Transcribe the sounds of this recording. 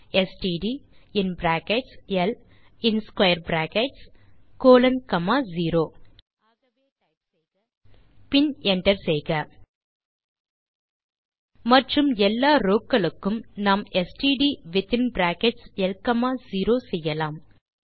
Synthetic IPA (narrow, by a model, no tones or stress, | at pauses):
ɛsʈiːɖiːɪnbɾaːkɛʈsɛl | ɪnskwɐjɐɾbɾaːkɛʈskoːlɐnkɐmaːziːɾoː | ɐeː | pɪnɛɳʈɐɾsɛjɣɐ | mɐʈrɯmɛlːaːɾoːkːɐɭɯkːɯmnaːmɛsʈiːɖiːʋɪt̪ɪnbɾaːkɛʈsɛlkɐmaːziːɾoːsɛjːɐlaːm